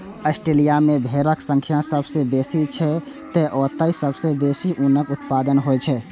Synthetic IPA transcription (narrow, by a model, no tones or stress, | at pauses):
əsʈɾeːlijamẽbʱeːɾəksə̃ŋkʰjasəbsebeːsit͡ʃʰɛ | t̪ɛʔɔːt̪aisəbsebeːsiʔuːnəkʊt̪paːd̪ənɦoɛt͡ʃʰɛ